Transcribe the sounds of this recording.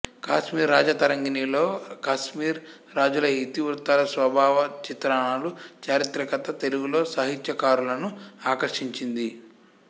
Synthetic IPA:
kaːʃmiːɾːaːd͡ʒɐt̪ɐɾɐŋɡinilo̞ːkaːʃmiːɾː | aːd͡ʒulɐit̪iʋɾut̪ɐːlɐsʋɐbʱaːʋɐt͡ʃit̪ɾaːɳaːlut͡ʃaːɾit̪ɾɐkɐt̪ɐt̪e̞luɡulo̞ːsɐɦit̪jɐkaːɾulɐnuaːkɐɾʂiɲt͡ʃind̪i

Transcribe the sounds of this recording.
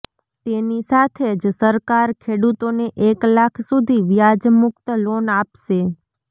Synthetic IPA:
t̪enisat̪ʰed͡ʒsəɾkaɾkʰeɽut̪oneʔeklakʰsud̪ʱiʋjad͡ʒmʊkt̪lonapʃe

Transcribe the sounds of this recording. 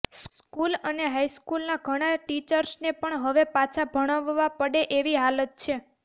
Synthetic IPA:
skuləneɦajskulnaɡʱəɽ̃aʈit͡ʃəɾsnepəɳɦəʋepat͡ʃʰabʱəɽ̃əʋːapəɽeʔeʋiɦalət̪̚t͡ʃʰe

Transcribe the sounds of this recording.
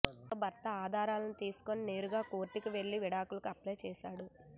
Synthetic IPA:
obʱɐɾt̪ɐaːd̪ʱaːɾaːlɐnit̪iːsu̥ko̞nine̞ːɾuɡaːkoːɾʈːikiʋe̞ɭːiʋiɽaːkulɐkɐpleːjt͡ʃɛːʃaːɽu

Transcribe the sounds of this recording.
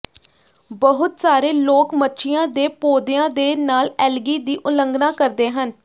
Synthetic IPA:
bəɦʊt̪saːɾeːloːkmətːʃʰɪjãːd̪eːpoːd̪ejãːd̪eːnaːlɛːlɡiːd̪iːʔʊləŋɡnaːkəɾd̪eːɦən

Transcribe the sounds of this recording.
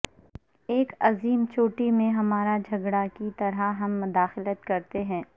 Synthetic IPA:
eːkɐziːmt͡ʃoːʈimẽɦɐmaːɾad͡ʒʱɐɡɽakit̪ɐɾaɦɐmːʊd̪aːxɪlət̪kɐɾt̪eɦɛ̃ː

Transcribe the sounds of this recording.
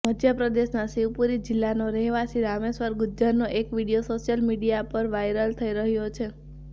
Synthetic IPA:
məd̪ʱjəpɾəd̪eʃnasiwpuɾid͡ʒɪlːanoɾɛɦʋasiɾamesʋəɾɡʊd͡ʒənoʔekʋiɽijosoʃijəlmiɽijapəɾʋajɾəlt̪ʰəiɾəɦjot͡ʃʰe

